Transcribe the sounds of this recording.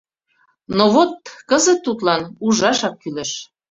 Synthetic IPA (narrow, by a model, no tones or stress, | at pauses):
noβot̪̚kəzə̆t̪ːut̪lɑnuʒɑʃɑk̚kyleʃ